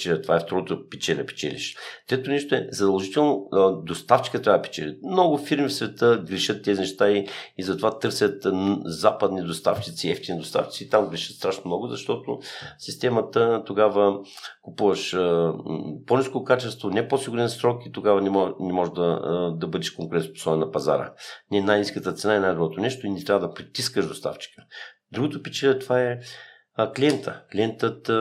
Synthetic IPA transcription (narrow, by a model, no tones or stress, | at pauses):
t͡ʃɛɛt̪ovaɛft̪oɾot̪ʊpɛt͡ʃɛlɛpɛ̥t͡ʃɛlḭʃt̪ɾɛt̪onɛʃt̪oɛzɐd̪ɐlˠʒit̪ɛlˠnod̪ost̪aft͡ʃi̥kət̪ɾʲavɐd̪ɐpɛ̥t͡ʃɛlʲɛ̰mnɔɡʊfiɾmifsvɛt̪əɡɾiʃət̪ːɛzʲinɛʃt̪aiizɐt̪ovat̪ɤɾsʲɐt̪zapɐd̪nid̪ost̪a̰ft͡ʃit̪siɛft̪ʲinid̪ost̪a̰ft͡ʃi̥t̪siːt̪amɡɾiʃə̥t̪st̪ɾaʃnomnɔɡʊzɐʃt̪ɔt̪ʊsist̪ɛmɐt̪ət̪oɡavə | kupuvəʃ | poniskokat͡ʃɛst̪vonɛposiɡuɾɛnsɾɔkit̪oɡavɐnɛnɛmɔʒd̪ɐd̪ɐbɤd̪ɛʃkoŋkʊɾɛnpo̥sɔbɛnnɐpɐza̰ɾə̰nɛnajniskət̪ət̪sɛnaɛnajd̪obɾɔt̪onɛʃt̪oinɛt̪ɾʲavəd̪ɐpɾit̪iskəʒd̪ost̪a̰ft͡ʃi̥kə̥ | d̪ɾuɡʊt̪opit͡ʃɛlɛt̪ovaɛ | klʲiɛnt̪ʰəklʲiɛnt̪ət̪